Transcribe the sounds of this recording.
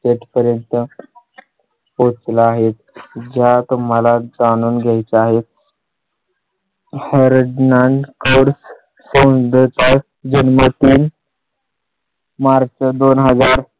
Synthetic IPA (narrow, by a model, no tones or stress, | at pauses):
seʈpəɾjənt̪ə | pot͡slaːɦet̪d͡ʑat̪um̤əlad͡zanuːnɡʱajt͡saɦet̪̚ | heɾdnankoɾs | sə̃wd̪ət͡sa | d͡ʑənmət̪iːn | maɾt͡ɕəd̪onɦəd͡zaɾ